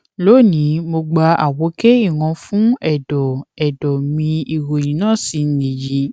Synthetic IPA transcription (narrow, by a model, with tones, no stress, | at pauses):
lo˨˦˨nĩ˨˦mo˧ɡ͡ba˧a˨wo˨˦ke˦i˦˨wɔ̃˧fũ˦ɛ˦˨dɔ˨ɛ˨dɔ˨mĩ˧i˨wo˨jĩ˨˦nãː˦˨si˨˧n˨ni˨ji˨˦